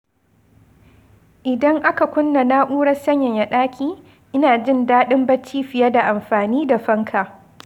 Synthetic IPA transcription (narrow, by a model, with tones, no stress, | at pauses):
ʔɪ˨dɐ˦ŋʔa˦ka˨kʷʊ˦nːa˨na˦ʔuː˦ɽɐ˦sɐ˦ɲjɐ˨ɲja˨ɗaː˦kʲʰiː˦ | ʔɪ˦naː˨d͡ʒɪ˦ndaː˦ɗɪ˦mbɐ˦t͡ʃiː˦ɸɪ˨ja˦da˨ʔa˨mɸaː˨niː˦da˨ɸɐ˦ŋkʰa˨